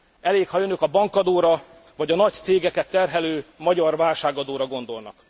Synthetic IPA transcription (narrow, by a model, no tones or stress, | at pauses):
ɛleːkhɒjønøkɒbɒŋkɒd̪oːɾɒ | vɒɟɒnɒct̪seːɡɛkɛt̪ːɛrɦɛløːmɒɟɒrvaːlʃaːɡɒd̪oːɾɒɡo̞nd̪o̞lnɒ̰k